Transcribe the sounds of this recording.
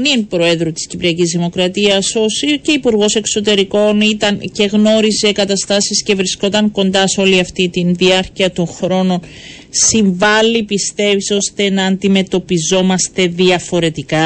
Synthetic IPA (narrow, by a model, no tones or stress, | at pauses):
ninpɾo̞e̞ðɾut̪i̥scipɾiɐcizðimo̞kɾɐt̪iɐso̞sice̞ipuɾɣo̞se̞kso̞t̪e̞ɾiko̞nit̪ɐnce̞ɣno̞ɾize̞kɐt̪ɐst̪ɐsisce̞vɾisko̞t̪ɐŋko̞nd̪ɐso̞liɐft̪it̪inðiɐɾciɐt̪o̞nxɾo̞no̞n | siɱvɐlːipist̪e̞viso̞st̪e̞nɐːnd̪ime̞t̪o̞pizo̞mɐst̪e̞ðiɐfo̞ɾe̞t̪ikɐ